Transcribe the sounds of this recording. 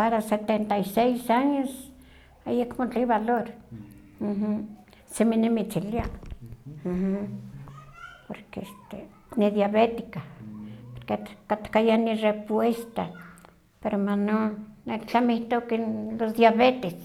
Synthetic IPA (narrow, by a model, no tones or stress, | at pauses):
paɾaset̪ent̪aisejsaɲos | ajekmot͡ɬiβaloɾ̩ | h̩ | seminemit͡ʃilia | m̩h̩ | poɾkeest̪e | niðjaβet̪i̥kapoɾkekat̪kajanirepwest̪a̰ | peɾomanonet͡ɬamiht̪okinlosd̪jaβet̪es